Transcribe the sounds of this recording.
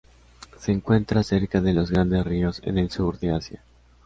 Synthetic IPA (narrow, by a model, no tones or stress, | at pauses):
se̞ːŋkwe̞nt̪ɾase̞ɾkaðe̞lo̞zɣɾand̪e̞srio̞sḛne̞lsuɾðe̞asja̰